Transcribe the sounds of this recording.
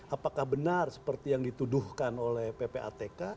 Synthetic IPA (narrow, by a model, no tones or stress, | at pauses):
ʔapakahbənarsə̥pərt̪ijaŋdit̪uduhkanolɛhpepeʔa̰t̪eka